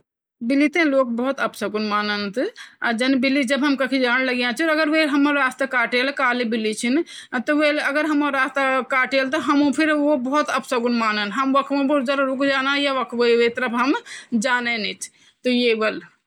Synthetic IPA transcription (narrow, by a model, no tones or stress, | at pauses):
bilit̪ẽlok̚bəɦut̪əpsəɡunmanənt̪ad͡ʒənbilid͡ʒəbɦəmkəkʰid͡ʒanləɡjãt͡ʃʰiəɡəɾʋeɦəmːəɾːast̪akaʈelkaːlibilːit͡ʃʰint̪ɔʋeləɡəɾɦəməɾːast̪akaːʈelt̪ɔɦəmũpʰiɾobəɦut̪əpsəɡunmaːnənɦəmʋəkʰʋõbuɾd͡ʒəɾɾukd͡ʒanajaʋəkʰʋəiʋet̪əɾəpɦəmd͡ʒaːnenɛt͡ʃ̪ʰ | t̪ɔjebəl